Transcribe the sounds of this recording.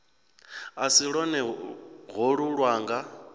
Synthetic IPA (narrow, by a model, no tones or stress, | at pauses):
asiɺɔnɛɣɔɺuɺwaːŋɡa